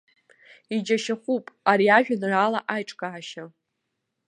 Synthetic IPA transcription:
id͡ʒaʃaχʷupʼaɾiaʒᶣanralaʔajʈ͡ʂʼkʼaːʃa

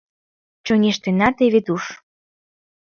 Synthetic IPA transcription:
t͡ɕonʲeʃt̪enɑt̪eβet̪uʃ

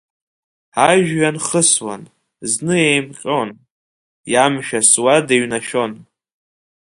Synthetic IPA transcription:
aʒᶣɥanχəswa̰n | znɨejmqʲʼon | jamʃᶣaswadeɥnaʃᶣo̞n

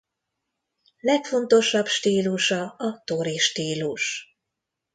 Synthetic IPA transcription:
lɛkfo̞nt̪o̞ʃɒbʃt̪iːluʃɒɒt̪oɾiʃt̪iːluʃ

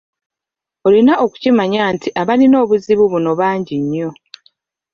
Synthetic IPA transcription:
olinaʔo̞ku̥cimaɲaːntʰiʔaβalino̞ːβuziβuβuno̞βaːɲɟiɲːo̞

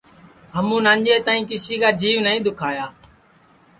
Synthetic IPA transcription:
ɦəmũːnãːɲd͡ʒeːt̪aːĩːkɪsiːkaːd͡ʒiːʋnəĩːd̪ʊkʰaːjaː

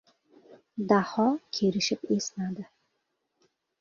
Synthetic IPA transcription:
d̪ahɒkʲʰeɾɪʃɪpe̞snad̪ɪ

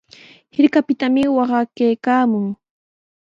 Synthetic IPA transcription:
hɪɾkapɪt̪amɪwɑɢɑkajkaːmʊŋ

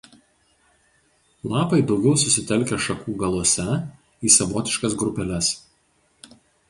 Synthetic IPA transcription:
lˠɑːpɐɪd̪ɒʊɡʲɛʊsʊsʲɪt̪ʲɛlʲˑkʲɛʃɐkuːɡɐlˠɔsʲɛ | iːsɐʋɔːt̪ʲɪʃkɐsɡɾʊpʲɛlʲɛs

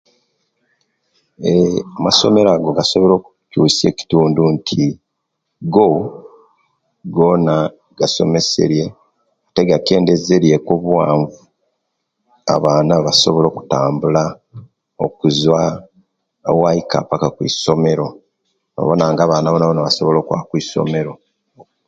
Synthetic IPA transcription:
emaso̞me̞ɾaɡo̞ɡaso̞βo̞lo̞ːku̥cuːse̞ːci̥tuːnduntʰi | ɡo | ɡo̞na | ɡ̥aso̞̰me̞se̞̰ɾje̞ | ate̞ɡake̞ːnde̞ze̞ɾje̞koβwaːɱvu | a̰βaːnaβaso̞βo̞lo̞ːku̥taːmbula | o̰kuzwa | waika̰pakakwḭːso̞me̞ɾo̞ | no̰βo̞naːŋɡaːβaːnaβonaβonaβaso̞βo̞lo̞ːkwa̰kwiːso̞̰me̞ɾo̞

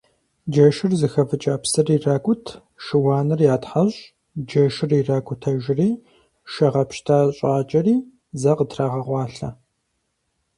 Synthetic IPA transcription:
d͡ʒɐʃɪrzɨxɐvɨt͡ʃʼaːpsɐriraːɡʷʼʊtʰ | ʃɪwɑːnɨrjaːtħaɕʼ | d͡ʒɐʃɪriraːɡʷʼʊtʰɐʒɪriː | ʃɐʁɐpʃtʰaːɕʼaːt͡ʃʼɐriː | zɐqətʰraːʁɐʁʷɑːɬɐ

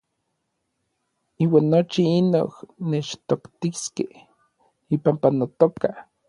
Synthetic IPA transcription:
iːwaːnːot͡ʃiino̰hnet͡ʃt̪okt̪iskeh | ipampanot̪oka

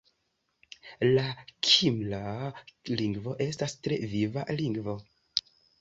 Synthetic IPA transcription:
lakʰimlaliŋɡvo̞ʔe̞stastɾe̞̰viva̰liŋɡvo̞

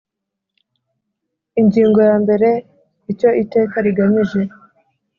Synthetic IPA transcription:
iɲɟiːŋɡo̞jaːmbe̞ɾe̞ | ico̞ʔite̞ːkaɾiɡamiʒe̞

